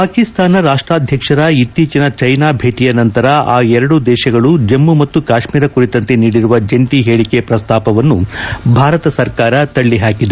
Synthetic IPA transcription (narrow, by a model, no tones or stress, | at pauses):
paːkist̪aːnɐɾaːʂʈɾaːd̪ʱjɐkʂɐɾɐit̪ːiːt͡ʃɐnɐt͡ʃɐjnaːbʱeːʈijɐnɐnt̪ɐɾɐaːɛɾɐɽud̪ɛːʃɐɡɐɭud͡ʒɐmːumɐt̪ːukaːʂmiːɾɐkuɾit̪ɐnt̪e̞niːɽiɾuʋɐd͡ʒeɳʈiɦeːɭikepɾɐst̪ʰaːpɐʋɐnːubʱaːɾɐt̪ɐsɐɾkaːɾɐt̪ɐɭːiɦaːkid̪e